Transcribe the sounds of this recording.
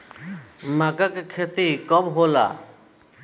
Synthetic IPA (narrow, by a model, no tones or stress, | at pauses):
makakekʰet̪ikɔbɦola̰ː